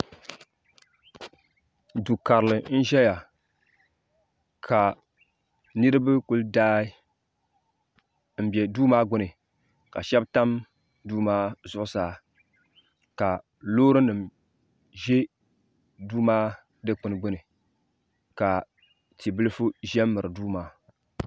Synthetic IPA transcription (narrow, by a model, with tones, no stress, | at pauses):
du˨ka˨ɾɨ˨lɨ˨n̩˦ʒɛ˦ja˨ | kʰa˨ | nɨ˦ɾɨ˦bɨ˦ku˦ldaː˦ɪ˦ | m̩˨bjɛ˨duː˦maː˦ɡʊ˦nɨ˨ | ka̰˨ʃɛ˦bta˦m | duː˦maː˦zʊ˦ʔʊ˦saː˨˦ | ka˨ | loː˦ɾɨ˦nɨ˨m | ʒɛ˦ | duː˦maː˦ | dɨ˦k͡pɨ˨n˨ɡ͡bʊ˦nɨ˨ | ka˨ | ti˨bɨ˦lɨ˦fu˦ʒɛ˦m˦mːɨ˨ɾɨ˨duː˦maː˦